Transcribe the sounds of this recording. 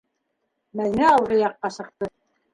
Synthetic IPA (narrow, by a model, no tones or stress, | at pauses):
mæðnæɑwɾɤjɑqːɑsɤ̆q̚t̪ɤ